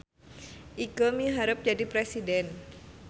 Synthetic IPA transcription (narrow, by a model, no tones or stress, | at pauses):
ʔikɔmiɦaɾəp̚d͡ʒadipɾesidɛn